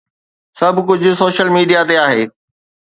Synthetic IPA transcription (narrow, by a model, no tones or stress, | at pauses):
sɐbʱkʊd͡ʑʱʊ̆soːʃəlmiːɖijat̪eaːɦeː